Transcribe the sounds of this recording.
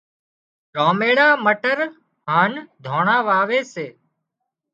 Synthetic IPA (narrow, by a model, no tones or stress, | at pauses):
ɾoːmeːɽaːməʈəɾ | ɦaːnd̪ʱoːɳaːʋaːʋeːseː